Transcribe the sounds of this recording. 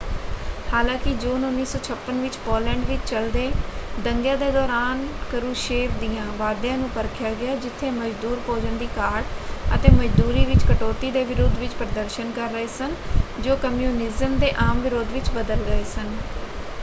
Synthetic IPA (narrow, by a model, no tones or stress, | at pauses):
haːlãːkɪd͡ʒoːnʊnːiːsɔːt͡ʃʰəpːənʋɪt͡ʃpoːlɛ̃ːɳɖʋɪt͡ʃt͡ʃəld̪eːd̪əŋɡjãːd̪eːd̪ɔːɾaːnkəɾuːʃeːʋd̪iːjãːʋaːd̪jãːnũːpəɾkʰjaːɡɪjaːd͡ʒɪt̪ʰːeːməd͡ʒd̪uːɾpoːd͡ʒənd̪iːkaːɾʈə̰t̪eːməd͡ʒd̪uːɾiːʋɪt͡ʃkəʈoːt̪iːd̪eːʋɪɾoːd̪ʋɪt͡ʃpɾəd̪əɾʃənkəɾːəeːsənd͡ʒoːkəmjuːnɪzəmd̪eːʔaːmʋɪɾoːd̪ʋɪt͡ʃbəd̪əlɡəeːsən